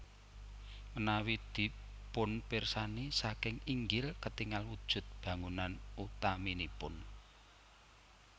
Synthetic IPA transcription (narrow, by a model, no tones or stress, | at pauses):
mənawid̪̥i̤ | pʊnpɪrsanisakɪŋiŋɡɪlkət̪iŋalwud̥ʒ̥ʊ̤t̪̚b̥ä̤ŋunanut̪aminipʊn